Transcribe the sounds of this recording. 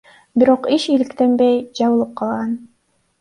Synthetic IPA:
biɾo̞qiʃilikt̪enbejd͡ʒɑβɯlˠɯp̚qʰɑlˠʁɑn

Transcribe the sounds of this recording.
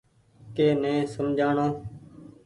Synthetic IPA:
keːnẽːsəmd͡ʒʱaːɳoː

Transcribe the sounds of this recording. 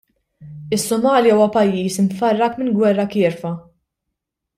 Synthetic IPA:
ɪsːʊmɐːljɐuːwɐpɐjːiːsɪmfɐrːɐkmɪnɡwɛrːɐkɪːɾfɐ

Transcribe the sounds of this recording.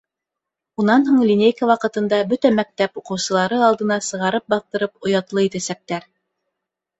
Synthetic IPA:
unɑnhuɴlʲinʲejkawɑqɤ̆t̪ɤ̆nd̪ɑbɵt̪æmæk̚t̪æpuqɤ̆wsɤ̆lˠɑɾɤɑlˠd̪ɤ̆nɑsɤ̆ʁɑɾɤp̚bɑθt̪ɤ̆ɾɤpŏjɑt̪lˠɤit̪æsæk̚t̪æɾ

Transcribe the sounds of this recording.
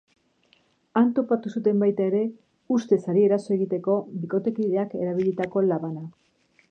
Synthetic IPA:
ant̪o̞pat̪usut̪e̞mbajt̪ae̞ɾe̞ | ust̪e̞saɾie̞ɾaso̞e̞ɣit̪e̞ko̞βiko̞t̪e̞kiðe̞ake̞ɾaβ̞iʎit̪ako̞laβana

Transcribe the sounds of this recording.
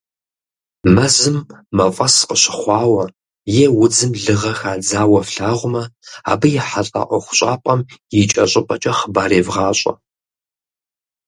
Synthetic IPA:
mɐzɨmːɐfʼɐsqəɕɪ̥χʷɑːwɐ | jeːwʊd͡zɨmɮɨʁɐxaːd͡zaːwɐfɬaːʁʷʊmɐa̰ːbɨjɛħaɬʼa̰ːʔʷɔχʷʊ̥ɕʼaːpʼɐmjɪt͡ʃʼɐɕʼɪpʼɐt͡ʃʼɐχəbaːɾeːvʁaːɕʼɐ̰

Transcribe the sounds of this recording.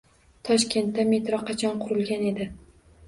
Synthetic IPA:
t̪ʰɒʃkʲe̞nt̪ːame̞t̪ɾɒqʰɑt͡ʃʰɒnqʰʊɾɪlɡʲane̞d̪ɪ

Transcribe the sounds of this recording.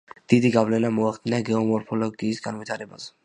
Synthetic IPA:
d̪̥id̪iɡavlɛnamɔaχd̪inaɡɛɔmɔɾpʰɔlɔɡiːsɡanvit̪ʰaɾɛbazɛ

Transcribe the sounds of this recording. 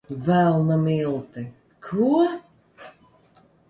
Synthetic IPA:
vɛlˠnamilˠt̪ɪ | kʰu

